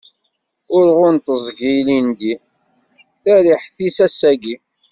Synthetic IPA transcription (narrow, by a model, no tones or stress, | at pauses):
ʊɾʁʊnt̪əzˤɡijlind̪i | θæɾiħθisæsːæɡi